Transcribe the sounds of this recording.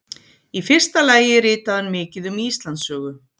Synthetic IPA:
ifɪr̥st̪alaːjɪrɪːt̪aðanmɪːcɪðʏmist̪lant̪sœːɣʏ

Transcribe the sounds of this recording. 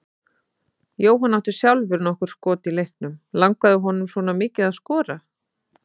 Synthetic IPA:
joːwɦanːawht̪ʏ̥sjawlvɪɾnɔhkʏɾ̥skɔːt̪ilejhknʏmlaŋkaðʏɦɔnʏmswɔːnamɪːcɪðaðskɔːɾa

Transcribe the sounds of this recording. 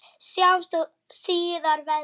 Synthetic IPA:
sjawmst̪ɔ | siːðaɾvɛ

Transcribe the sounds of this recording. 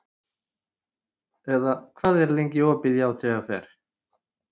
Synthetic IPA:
ɛðakʰv̥aːðɛɾlejɲcɪɔːpɪðjaawt̪ʰɛɣaθɛ̰ːɾ̥

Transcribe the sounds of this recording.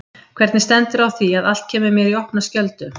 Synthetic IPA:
kʰvɛɾt̪nɪst̪ɛnt̪ɪɾawθiaðal̥t̪̚cʰɛːmɪɾmjɛɾiɔhpnascœlt̪ʏ

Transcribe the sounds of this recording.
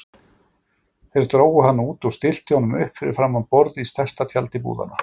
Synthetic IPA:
θɛɾɾt̪ɾoːwʏɦanːauːt̪ɔwst̪ɪl̥t̪ɪhɔnːʏmʏhpfɪɾɪ̰̥fɾamːanpɔɾðist̪ʰajst̪at̪ʰjalt̪ɪpṵːða̰na

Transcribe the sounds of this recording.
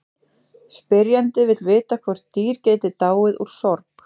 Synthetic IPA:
spɪɾjant̪ɪvɪt̪lvɪːt̪akʰvɔɾ̥t̪iːɾceːjt̪ɪt̪aːwɪðṵɾ̥sɔɾp

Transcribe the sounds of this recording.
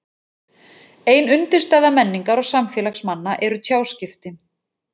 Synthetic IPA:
eːjnʏnt̪ɪɾ̥st̪aːjðamɛnːiŋkaɾɔɣsamfɛːlaxsmanːaʔɛɾʏt̪ʰjaːwscɪft̪ɪ

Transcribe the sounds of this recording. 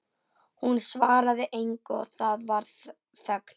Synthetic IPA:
hunsvaːɾaðɪʔejŋkɔ̰θaðvaɾ̥ | θœkn̥

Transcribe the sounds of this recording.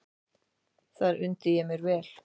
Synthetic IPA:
θaɾʏnt̪ɪjɛmɪɾvɛːl̥

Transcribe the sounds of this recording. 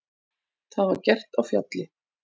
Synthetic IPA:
θaðvaɾcɛr̥t̪awfja̰t̪lɪ

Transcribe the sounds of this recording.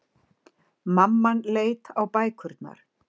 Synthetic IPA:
mamːanleːjt̪awpaːjkʰʏɾt̪na̰ɾ̥

